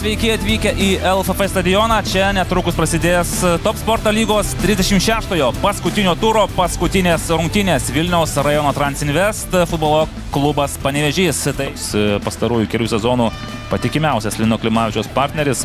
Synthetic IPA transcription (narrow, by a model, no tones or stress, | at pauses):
sʲʋʲɛɪkʲɪɐt̪ʲʋʲiːkʲɛʔiːɛlˠfɛfɛst̪ɐd̪ʲɪjoːnɑːt͡ʃʲɛnʲɛt̪ɾʊːkʊspɾɐsʲɪd̪ʲeːst̪oːpspoːɾt̪ɐːlʲiːɡoːst̪ʲɾʲɪzʲd̪ʲɛʃʲɪmʃʲæːʃt̪oːjoːpɐskʊt̪ʲɪnʲoːt̪uɾoːpɐskʊt̪ʲɪnʲeːsɾʊŋk̚t̪ʲɪnʲeːsʋʲɪlʲnʲɛʊsɾɐjoːnoːt̪ɾɐnʲsʲɪnʲʋʲɛst̪fʊd̪boːlˠoː | klˠʊbɐspɐnʲɛʋʲɛʒʲiːst̪ɐsspɐst̪ɐɾuːjukʲɛlʲuːsʲɛzoːnuː | pɐt̪ʲɪkʲɪmʲɛʊsʲɛslʲɪnoːklʲɪmɑːɪt͡ʃʲoːspɑɾʲt̪ʲnʲɛɾʲɪs